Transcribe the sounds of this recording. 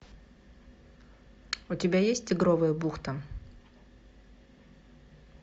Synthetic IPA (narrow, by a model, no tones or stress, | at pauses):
ʊtʲɪbʲajesʲtʲɪɡɾovəjəbuxt̪ə